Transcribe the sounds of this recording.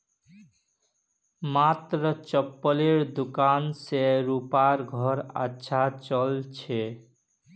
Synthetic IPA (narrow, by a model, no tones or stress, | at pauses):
mat̪ɾɔt͡ʃɔpːɔleɾd̪ukanseɾupaɾɡʱɔɾa̰ːʃʰat͡ʃɔlt͡ʃʰe